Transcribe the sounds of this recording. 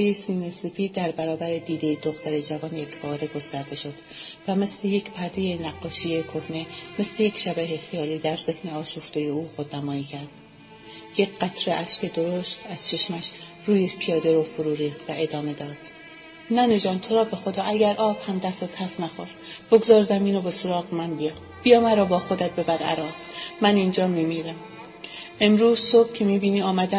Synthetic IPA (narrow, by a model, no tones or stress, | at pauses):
ejesiːnesefiːd̪d̪æɾbæɾɒːbæɾed̪iːd̪e̞jed̪oχt̪æɾed͡ʒævɒːnjecʰbɒːɾe̞ɡo̞st̪æɾd̪e̞ʃo̞d̪̥væme̞sleje̞cʰpʰæɾd̪ejenæɡːɒːʃiekʰo̞hne̞me̞slejecʰʃæbæɦexijɒːliːd̪æɾze̞hne̞ɒːʃoft̪ojeuːxod̪næmɒːiːcʰæɾd̪̥ | jecɢæt̪ʰɾeʔæʃce̞d̪oɾoʃt̪æz̥t͡ʃʰe̞ʃmæʃruːjepʰijɒːd̪eɾofoɾuːɾiːχd̪væʔe̞d̪ɒːme̞d̪ɒːd̪̥ | næːned͡ʒɒːnt̪ʰoɾɒːbe̞xo̞d̪ɒːʔæɟæɾʔɒːb̥hæmd̪æsot̪ʰæsnæxoɾb̥oɡzɒːɾzæmiːnobesoɾɒːɣemænbijɒ | b̥ijɒːmæɾɒːbɒːxo̞d̪æt̪̚be̞bæɾæ̰ɾɒːzmæniːnd͡ʒɒːmimiːɾæm | e̞mɾuːz̥sob̥̚cʰemiːbiːniːɒːmæd̪æ